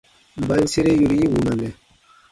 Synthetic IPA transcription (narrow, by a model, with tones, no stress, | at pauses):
m˨ba˦ɲ˦se˦ɾe˦ju˨ɾi˦ji˦wu˨nã˨nɛ˨